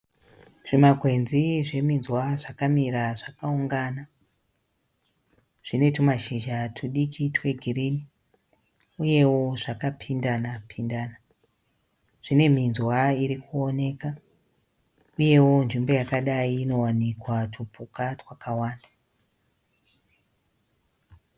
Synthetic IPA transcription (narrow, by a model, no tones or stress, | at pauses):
ʐ̥imaɡʱwe̞nziʐe̞minzwaʐakamiɾaʐakauŋɡaːna | ʐ̥ine̞tumaʃiʒatʰuɗikʰitwe̞ɡʱirini | uje̞wo̞ʐ̥akapʰindanapʰindaːna | ʐ̥ine̞minzwaiɾikʰuo̞ne̞ːka | uje̞wo̞nʐimbo̞jakaɗaiːno̞wanikwatʰupukatwakawaːnda